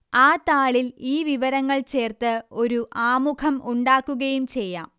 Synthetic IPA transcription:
aːt̪aːɭiliːʋiʋɐɾɐŋːɐɭt͡ɕe̞ːrt̪ɨo̞ɾuʔaːmukʰɐmuɳɖaːkːuɣɐjumt͡ɕe̞jːa̰ːm

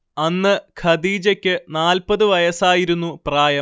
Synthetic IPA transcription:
ɐnːɨkʰɐd̪iːd͡ʑɐkʲːɨnaːlpɐðɨʋɐjɐsaːjiɾunːupraːjɐ

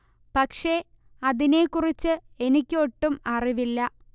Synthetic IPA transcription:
pɐkʂe̞ | ɐðinekurit͡ɕːɨ | e̞nikʲːɨo̞ʈːumɐriʋilːɐ

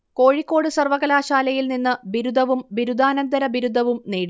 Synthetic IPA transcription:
ko̞ːɻikːo̞ːɽɨsɐrʋɐɣɐlaːɕaːlɐjilninːɨbiɾud̪ʱɐʋumbiɾud̪aːnɐnd̪ɐɾɐbiɾud̪ʱːɐʋumneːɽi

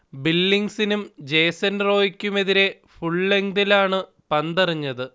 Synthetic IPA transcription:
bilːiŋsinumd͡ʑe̞jsɐnro̞ːjikʲːume̞ðiɾe̞ | fuɭːe̞ŋd̪ilaːɳɨ | pɐnd̪ɐriɲːɐðɨ

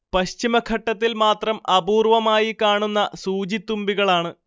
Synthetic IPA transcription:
pɐɕt͡ɕimɐkʰɐʈːɐt̪ːilmaːt̪rɐmɐbuːrʋɐmaːjikaːɳunːɐsuːd͡ʑit̪ːumbiɣɐɭaːɳɨ

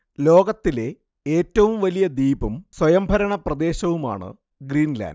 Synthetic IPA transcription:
lo̞ːɡɐt̪ːile̞ | eːtːɐʋumʋɐlijɐd̪iːbɐmswɐjɐmbʱɐɾɐɳɐprɐd̪e̞ːɕɐʋuma̰ːɳɨ̰ | ɡriːnla̰ːnd

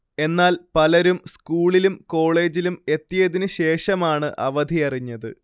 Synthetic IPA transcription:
e̞nːaːlpɐlɐɾumskuːɭilumko̞ːɭe̞ːd͡ʑilume̞t̪ːijɐðinɨɕe̞ːʂɐmaːɳɨʔɐ̰ʋɐd̪ʱiɐriɲːɐðɨ̰

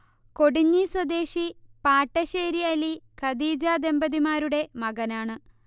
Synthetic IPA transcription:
ko̞ɽiɲːiswɐd̪e̞ːʂipaːʈːɐɕeːɾiɐlikɐd̪iːd͡ʑaːd̪e̞mbɐðimaːɾuɽe̞mɐɡɐnaːɳɨ

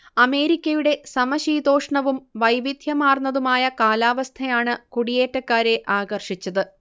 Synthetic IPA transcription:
ɐme̞ːɾikʲːɐjuɽe̞sɐmɐɕiːd̪o̞ːʂɳɐʋumʋɐjʋid̪ʱjɐmaːrnːɐðumaːjɐkaːlaːʋɐst̪ʰɐjaːɳɨkuɽije̞ːtːɐkːaːɾe̞ʔaːɡɐrʂit͡ɕːɐðɨ

